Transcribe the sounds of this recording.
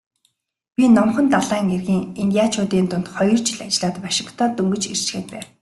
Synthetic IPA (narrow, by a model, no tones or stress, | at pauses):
pʲinɔmχɞ̆nt̪aɮaːŋerɣiːŋenjaːt͡ɕʰʊːt̪iːnt̪ʊn̥t̪χɔjɞ̆r̥t͡ɕɪ̆ɮat͡ɕɪ̆ɮaːt̪paʃɪ̆kʰt̪ɔːt̪ɵŋɡɵ̆t͡ɕḛr̥t͡ɕxeːt̪̚pæːw